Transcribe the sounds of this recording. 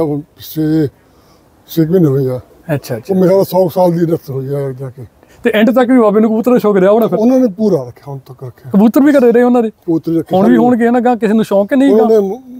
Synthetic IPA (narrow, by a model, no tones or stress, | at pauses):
seː | sekbiːnɦoːid͡ʒaː | ətːʃʰaːomẽːsaːd̪aːsɔːsaːld̪iːɾət̪ɦoid͡ʒaːed̪aːkeː | t̪eːʔɪ̃ɳʈt̪əkʋiːʋaːbeːnũːkəbuːt̪ːəɾd̪eːʃɔːkɾeaːɦoɽãːpʰɪɾʊnãːnẽːpuːɾaːɾəkʰːjaːʊnt̪əkːɾəkʰːjaːkəbuːt̪ːəɾʋiːkəɾeːɾəeːʊnãːd̪eːkəbuːt̪ɾiːɾəkʰːɳʋiːɦoːɳk̬eeːnaːɡãːk̬ɪseːnũːʃɔːkenəĩːnãːneː